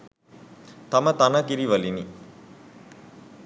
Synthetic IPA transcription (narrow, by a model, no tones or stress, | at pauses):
t̪ɐmət̪anakiɾiʋɐlini